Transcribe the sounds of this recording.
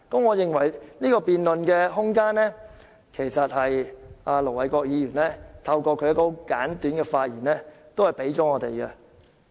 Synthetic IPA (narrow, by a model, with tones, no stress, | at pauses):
kɐ˨˥mŋɔː˨˧jɪ˨ŋwɐ˨˩jniː˥kɔː˧piː˨nlɵ˨nkɛː˧ɦʊ˥ŋkaː˥nlɛː˥ | kʰe˨˩jsɐ˨t̚hɐ˨jaː˧lo˨˩wɐ˨˧jkʷɔː˧k̚jiː˨˧jyː˨˩nlɛː˥t̪ʰɐ˧wkɔː˧kʰɵ˨˧ɥjɐ˥tkɔː˧˦kaː˨˥nt̪yː˨˥nɡɛ˧faː˧t̚jiː˨˩nɛː˥t̪o˥whɐ˨˩jpe˨˥jt͡ʃɔː˨˥ŋɔː˨˧t̪e˨jkɛ˧